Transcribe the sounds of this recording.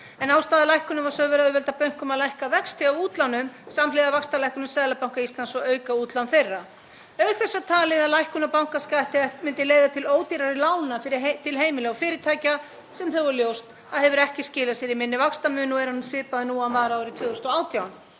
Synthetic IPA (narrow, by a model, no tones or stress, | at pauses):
ɛnaːwst̪aːðɪlajhkʏnʏmvaɾsœːvɛɾaðʏvɛlt̪apœɥŋ̥kʏmaðlajhkavɛkst̪ɪavuːt̪lanʏmsamlejðavakst̪alajkʏnʏmsɛːðlapawŋkaist̪ansɔœːɥkauːt̪lanθejrːa | œɥθɛsːat̪ʰaːlɪðaðlajhkʏnapawŋkaskajt̪ɪmɪnt̪ɪleːjðat̪ʰɪloːwt̪iɾaɾɪlaːwnafɪɾɪt̪ʰɪlɦeːjmɪlɛɔfɪːɾɪt̪ʰaːjca | sɛmθœvɔɾljowst̪ | aðhɛvʏɾɛhcɪscɪːlasiɛɾɪmɪnːɪvakst̪amʏːnɔɛɾhanmsvɪːpaðɪnuːawnvaːɾaaːwɾɪt̪ʰvœːðʏst̪ɔaːwt̪jawn